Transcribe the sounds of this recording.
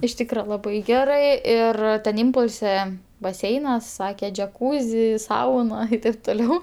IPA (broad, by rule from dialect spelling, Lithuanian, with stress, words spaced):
ɪʃ ˈtʲiːkrɐ lˠɐˈbɐɪ ˈɡʲæːrɜ ˈɪr tʲɛn ˈɪmpʊlʲsʲɛ bɐˈsʲɛɪnɐs ˈsɑːkʲɛ d͡ʒʲɛˈkuːzʲɪ ˈsɐʊnɐ ɪ ˈtɐɪp toːˈlʲɛʊ